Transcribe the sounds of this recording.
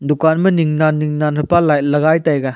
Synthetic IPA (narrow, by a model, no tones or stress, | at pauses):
dukanmɐniŋnanːiŋnanɦɐpalajlɐɡajtajɡa